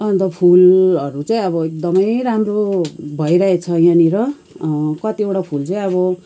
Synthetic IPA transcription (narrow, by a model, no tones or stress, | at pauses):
ʌnt̪ʌpʰulʌɾut͡saĩʌbʌek̚d̪ʌmʌjɾamrobʱʌiɾaɦet͡sʰʌjaniɾʌ | kʌt̪iewʈapʰult͡saĩʌβʌ